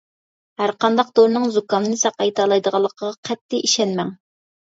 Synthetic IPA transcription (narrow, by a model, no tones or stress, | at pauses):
hæɾqɑnd̪ɑq̚d̪oɾnɨŋzukɑnɨnɨsɑqːɑjt̪ʰɑlˠɑjd̪əʁɑlˠːəqʰəʁɑqʰɛt̪ʰːɪʔiʃɛnmɛŋ